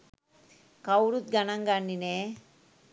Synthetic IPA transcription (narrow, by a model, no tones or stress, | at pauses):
kɐwɾut̪̚ɡɐnɐŋɡanːine